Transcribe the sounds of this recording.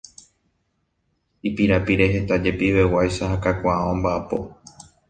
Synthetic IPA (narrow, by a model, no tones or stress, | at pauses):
ipiɾapiɾe̞ɦe̞t̪ad͡ʒe̞piʋe̞wajʃaɦakakʷaʔaõmbaʔapo̞̰